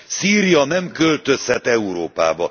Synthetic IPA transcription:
siːɾijɒnɛmkølt̪øshɛt̪ːɛuɾoːpa̰ːbɒ

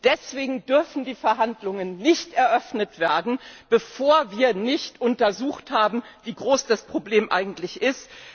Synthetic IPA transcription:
d̥ɛsv̥eːɡŋ̩dʏɐfn̩diːfɛɐɦandlʊŋənːɪçtɛɐʔœfnətv̥eːɐdn̩b̥əfoːɐviːɐnɪçtʔʊntɐzuːxthaːbm̩viːɡʁoːsd̥aspʁ̥obleːmʔa̰ɪɡŋ̩tlɪçʔɪst

